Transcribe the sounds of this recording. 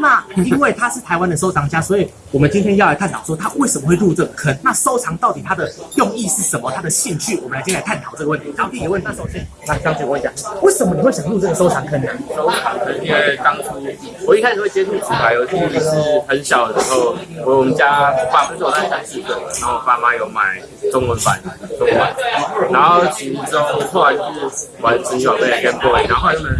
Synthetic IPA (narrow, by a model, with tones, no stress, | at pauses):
na˥˧i˥nwe˥˩ɪt̪ʰa˥ʂɻ̩˥˩t̪ʰa˧˦ɪwa˦nd̪ə˨s̬o˥ʊʈ͡ʂʰɑ˧˥ŋt͡ɕja˦˥swɔ˧˥i˨ | wɔ˨˩mə˦nt͡ɕi˥nt̪ʰjɛ˥njɑ˥˨la˧˥ɪkʰa˥˩nt̪ʰɑ˨˩ʂwɔ˥t̪ʰa˥we˥˩sə˨˩mə˦xwe˥˧u˥˧ʈ͡ʂə˥˩ɡə˩kʰə˥nna˥˨so˥ʊʈ͡ʂʰɑ˧˥ŋt̪ɑ˥˩ʊt̪i˨˩t̪ʰa˥d̪ə˨jɔ˥˧ŋi˥˧ʂɻ̩˥˩ʂə˨˩mə˦t̪ʰa˥d̪ə˨ɕi˥˧ŋt͡ɕʰy˥˩wɔ˨˩mə˨nltʰjlɪkʰa˥nt̪ʰɑ˨˩ʊʈ͡ʂɤ˥˩ɡə˦wə˥˩nt̪ʰi˧˦tɑ˥ʊt̪ʰi˥˩jwə˥˧nʰa˥˩o˨ʊɕjɛ˥n | a˥˩˨ɑ˥ŋt͡ɕʰi˧˩˨wt͡ɕja̰˨˩˦we˥˩ɪʂə˨˩mə˦n˨xwe˥˩ɪɕjɑ˨˩ŋ˦ɻu˥˧ʈ͡ʂə˥˩ɡə˩so˥ʊʈ͡ʂʰɑ˧˥ŋkʰə˥n˨˦˩so˥ʊɑ˨˩ŋʰə˧˥˨i˥we˥˩t̪ɑ˦ŋʈ͡ʂʰu˥ | wɔ˨˩i˥kʰa˥ʂ̩˨we˥˩t͡ɕjɛ˥ʈ͡ʂʰu˥˩t͡s̩ʰ˨˩t̪ʰa˧˦ɪjo˧˥t͡ɕi˥˩i˨˩ʂɻ̩˥˩xə˨˦nɕjɑ˨ʊd̪ə˦ʂɻ̩˧xo˥˨ʊ˧˥wɔ˨˩mə˦t͡ɕja˦pa˥fə˥nt͡so˨˩ʊt̪a˥˩sa˧˥nsi˥˩kə˥˩lə˨˩na˨˦o˥˩˨pa˥˧ma˦jo˨˧ʊma˨˩ɪ | ʈ͡ʂʊ˥ŋwə˦nfa̰˨˦n˩ʈ͡ʂo˥ŋ˧na̰˨˩n˩na˧˦nxo˥˧ʊt͡ɕʰi˧˥t͡so˦˥ŋ˨t̪ʰo˥˧ʊla˧˦n˥˩wa˨˦nt͡sʰə˧˥˩wa˨˩pka˥˧npɔ˥˧i˥˨˩na˧˦˥o˥˧jo˥˧nə˨˩